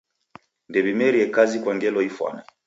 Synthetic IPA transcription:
ndɛβimɛɾiɛkazikwaŋɡɛlɔifwa̰na

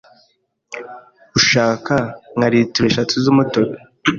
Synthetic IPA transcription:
uʃaːkaŋaɾituɾeʃatuzumutoɾo

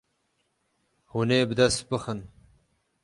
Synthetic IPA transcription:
huneːbd̪ɐsbəxən

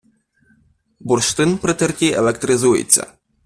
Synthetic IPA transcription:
burʂt̪ɨnpɾɨt̪ɨrkʲiɛlʲˠɛkt̪ɾɨzujɪ̰t͡sʲːɐ̰

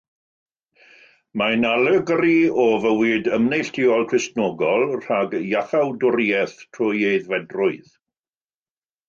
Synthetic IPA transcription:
manaləɡriɔvəwiːdəmnejɬtʰɪɔlˠkʰrɪstnɔːɡɔlˠr̥aɡjaθawdʊɾiɛθtʰrʊjeɨðvɛdrʊɨð

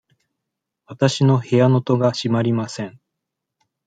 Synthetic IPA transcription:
βat̪aɕino̞he̞jano̞t̪o̞ɡaɕimaɾʲimasẽ̞ɴ

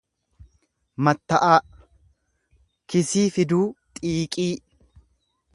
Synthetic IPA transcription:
mɐt̪ːɐʔaː | kɪsiːfɪd̪uːt̪ʼiːkʼiː

